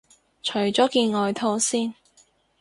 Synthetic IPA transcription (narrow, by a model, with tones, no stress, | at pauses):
t͡ʃʰɵ˨˩ɥt͡ʃɔː˨˥kiː˧nŋɔː˧jt̪ʰo˥wsiː˥˩n